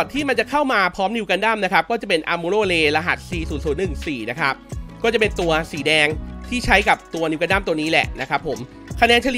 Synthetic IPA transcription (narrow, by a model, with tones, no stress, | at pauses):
ɔ˨˩t̪ʰːiː˥˩ma˧nt͡ɕa˨˩kʰa˥˩wmaː˧pʰɾɔː˦˥mni˧ka˧nda˥˩mna˦˥kʰa˦˥p̚kɔː˥˩t͡ɕa˨˩pe˧nʔaː˧mu˧loː˥˩leː˧la˧ɦa̰˨˩t̪̚siː˧˩suː˨˩t̪su˩˦nːɯ˨˩ŋsiː˨˩na˦˥kʰɾa˦˥p̚kɔː˥˩t͡ɕa˨˩pe˧nt̪u˧ɐsiː˩˦dɛː˧ŋt̪ʰiː˥˩t͡ɕʰa˦˥jka˨˩p̚t̪u˧ɐni˧wka˧nda˥˩mt̪u˧ɐniː˦˥lɛ̰˨˩ʔna˦˥kʰɾa˦˥pʰːo˩˦m | kʰa˧nɛː˦˥nt͡ɕʰa˧li˨˩